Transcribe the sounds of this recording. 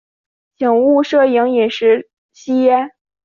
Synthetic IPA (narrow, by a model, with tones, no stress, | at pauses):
t͡ɕʰi˨˩ŋu˥˧ʂɤ˥˩ji˧˥ŋi˨˩nʂɻ̩˧˥ | ɕi˥jɛ˥